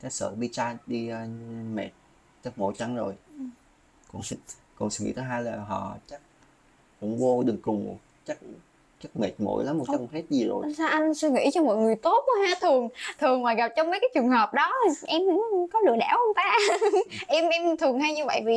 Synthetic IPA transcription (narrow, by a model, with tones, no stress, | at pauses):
kaː˨˦jsə̰ː˧˨ɓi˧t͡ɕaː˧ɗi˧mɛ̰˨˩t̚ | t͡ɕa˦˥k̚mo̰˧˩˦jt͡ɕa˨˦ŋzo˨˩j | kʊ̰˧˥ŋ͡m | kʊ̰˧˥ŋ͡msɛ̰˧˦ŋḭ˧˥t̪ʰəː˨˦ɦaː˧jlaː˨˩ɦɔ̰˧˨t͡ɕa˦˥k̚ | kʊ̰˧˥ŋ͡mvo˧ɗɨ˨˩ŋkʊ˨˩ŋ͡m | t͡ɕa˦˥k̚ | t͡ɕa˦˥k̚mɛ˨˩t̚mo̰˧˩˥jla˨˦mː˨˩ka˧˦˨he˦˥t̚zi˨˩zo̰˨˩jsa˧ʔa˧jn̟si˧ŋḭ˧˥t͡ɕɔ˧mɔ̰˧˨jŋɨ˨˩əjt̪o˦˥t̚haː˧˥t̪ʰɨ˨˩əŋt̪ʰɨ˨˩əŋvaː˨˩ɣa˨˩p̚t͡ɕɔ˧wŋ͡mmə˨˦jkaː˨˦jt͡ɕɨ˨˩əŋɦəː˨˩p̚ɗɔ˨˦˨ʔɛ˧m˧˥kɔ˨˦lɨ̰˧˨əɗa̰ː˧˩whə˧ŋ͡mt̪aː˧ | ʔɛ˧mʔɛ˧mt̪ʰɨ˨˩əŋhaː˧jɲɨ˧və̰˧˨jvi˨˩